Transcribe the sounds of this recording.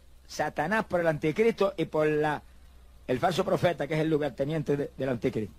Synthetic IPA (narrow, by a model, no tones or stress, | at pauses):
sat̪anahpoɾelant̪ikɾist̪oʔipoɾla | elfals̬opɾofet̪akeselːuɣaɾt̪enjẽnt̪eðeðelant̪ikɾiht̪